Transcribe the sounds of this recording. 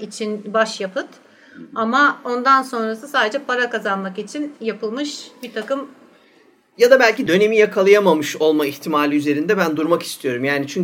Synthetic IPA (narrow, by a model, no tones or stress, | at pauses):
it͡ʃʰinbaʃjapɯt̪ | amao̞nd̪anso̞nɾasɯsaːd̪e̞d͡ʒɛpʰaɾakazanmakit͡ʃʰinjapɯlˠmɯʃbit̪ʰakɯm | jad̪abælʲcid̪ø̞ne̞mijakʰalˠajamamɯʃo̞lˠmaiçt̪ʰimaːlʲiyze̞ɾind̪ɛbænd̪uɾmaki̥st̪ʰijo̞ɾumjaːnit͡ʃʰyɲ